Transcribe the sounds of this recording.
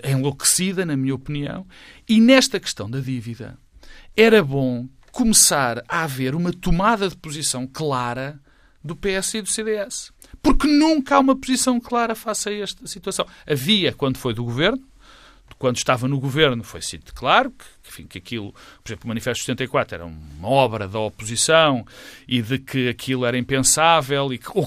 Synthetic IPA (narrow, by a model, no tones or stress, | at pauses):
ẽlˠoksiðɐnɐmiɲɐɔpniɐ̰̃w̃ | inɛʃt̪ɐkɨ̥ʃt̪ɐ̃w̃d̪ɐðiviðɐ̰ | ɛɾɐβõ | kumɨsaɾaveɾumɐt̪umaðɐðpuzisɐ̃w̃klˠaɾɐ | ðupeɛsiðuseðeɛs | puɾknũŋkɐaumɐpuzisɐ̃w̃klˠaɾɐfasɐɛʃt̪ɐsit̪wɐsɐ̃w̃ɐviɐkwɐ̃nd̪ufojðuɣuveɾnu | kwɐ̃nd̪uʃt̪avɐnuɣuveɾnufojsḭt̪klˠaɾukẽfḭ̃kɐkilˠupuɾizẽplˠumɐnifɛʃt̪st̪ẽnt̪ɐjkwat̪ɾuɛ̰ɾɐ̰umɐɔβɾɐðɐɔpuzisɐ̃w̃iðɨkʰɨɐkʰilˠuɛɾɐĩmpẽsavɛlˠiko